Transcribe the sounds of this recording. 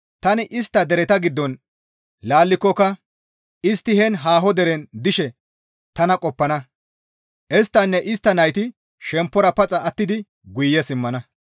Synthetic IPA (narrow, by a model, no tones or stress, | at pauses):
t̪ɐnɪʔɪst̪ːɐd̪ɛɾɛt̪ɐɡɪd̪ːɔn | laːlːɪkːɔkːɐ | ɪst̪ːɪhɛnɦaːɦɔd̪ɛɾɛnd̪ɪʃɛ | t̪ɐnɐkʼɔpːɐnɐ | ʔɛst̪ːɐnːɛʔɪst̪ːɐnɐjt̪ɪ | ʃɛmpːɔɾɐpɐt͡sʼɐːt̪ːɪd̪ɪ | ɡʊjːɛsɪmːɐnɐ